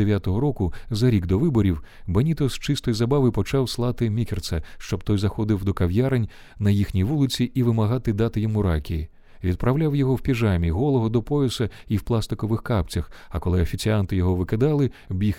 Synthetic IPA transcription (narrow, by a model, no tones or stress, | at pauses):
eʋʲjat̪ɔɦɔɾɔkʊzɐɾʲiɡd̪ɔʋɪbɔɾʲiw | bɐnʲit̪ɔzt͡ʃɪst̪ɔjzɐbaʋɪpɔt͡ʃawslˠɑt̪ɪmʲikʲert̪sɐʃt͡ʃɔb̚t̪ɔjzɐxɔd̪ɪwd̪ɔkɐwjaɾenʲ | nɐjixnʲijʋulˠɪt͡sʲiʔːʋɪmɐɦɑt̪ɪd̪at̪ɪjɔmuɾakʲiji | ʋʲid̪pɾɐwlʲawjɔɦɔwpʲiʒamʲiɦɔlˠɔɦɔd̪ɔpɔɪsɐiwplˠast̪ɪkɔʋɪxkapt͡sʲɐxɐkɔlˠɪɐfʲit͡sʲiant̪ɪjɔɦɔʋɪked̪ɑlˠɪbʲix